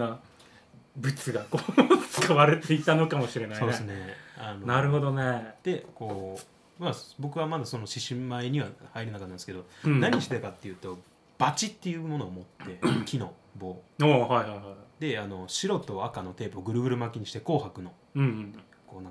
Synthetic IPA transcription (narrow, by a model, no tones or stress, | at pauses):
a | bɯ̟t͡sɨɡakot͡sɨ̥kaβaɾet̪e̞it̪ano̞kamo̞ɕiɾe̞nasiod̪esɨne̞ano̞naɾɯ̟ɦo̞d̪o̞ned̪̥e̞ko̞ː | mabo̞kɯ̟βamad̪aso̞no̞ɕiɕimaiɲ̟iβahaiɾʲenakat̪ːãnsɨ̥ke̞d̪o̞naɲ̟iɕi̥t̪ekat̪ːe̞jɯ̟ːt̪o̞ | b̥at͡ɕit̪ːe̞jɯ̟ːmo̞no̞ːmo̞t̪ːe̞kʲʰino̞ | bo̞ːohaiɦajhajd̪e̞ano̞ɕiɾo̞t̪o̞akano̞t̪e̞ːpɯːɡɯ̟ɾɯ̟ɡɯ̟ɾɯ̟makʲiɲ̟iɕi̥t̪e̞ko̞ːhakɯ̟no̞ | ɯ̃ː | ko̞ːnã